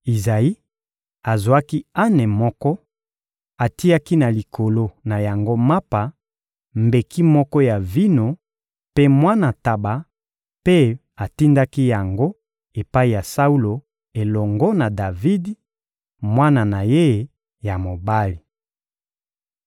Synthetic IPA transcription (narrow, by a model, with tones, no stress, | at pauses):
i˨za˨i˦ | a˨zwa˦ki˦a˦nɛ˨mɔ˦kɔ˦ | a˨ti˦a˦ki˦na˨li˨kʰo˨lo˦na˨ja˨ŋɡo˦ma˦pa˨ | mbe˨ki˦mɔ˦kɔ˦ja˨vi˦no˨ | pe˦mwa˦na˨ta˨ba˨ | pe˦ | a˨ti˦nda˦ki˦ja˨ŋɡo˦ | e˨pa˦i˨ja˨sa˦u˦lo˨ | e˨lɔ˨ŋɡɔ˦na˨da˨vi˦d | mwa˦na˨na˨je˦˨ | ja˨mo˨ba˦li˨